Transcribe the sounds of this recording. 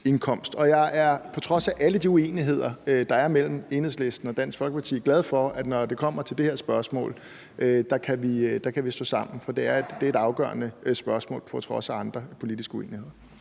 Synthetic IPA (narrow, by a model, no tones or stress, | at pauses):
e̝nkʰɒ̽m̰sd̥ɒ̽jɑ̈ɪʔæɐpʰɒ̽t͡sʰʁɒ̽sæʔæləd̥iueːniɦe̝ð̞̰ˠɐd̥ɑ̈æɐmel̰m̩e̝nhesle̝sd̥n̩ɒ̽d̥æn̰sɡ̥fɒ̽lɡ̥əpʰɑ̈t͡sʰḭːɡ̥læð̞ˠfɒæd̥nɒd̥e̝kʰɒ̽m̰ɐt͡sʰe̝ld̥e̝he̝ɐsb̥ɶɐsmɔ̰ːl | ʔød̥ɑ̈kʰæʋid̥ɑ̈kʰæʋisd̥o̰ːsɑ̈m̰n̩fɒ̽d̥e̝æɐ̥d̥eeɾɑ̈ʊɡ̥œ̰ːɐnəsb̥ɶɐsmɔ̰̽ːlpʰɒ̽t͡sʰʁɒ̽sæɑ̈nd̥ʁɐpʰo̝lid̥isɡ̥əuḛːnihe̝ð̞̰ˠɐ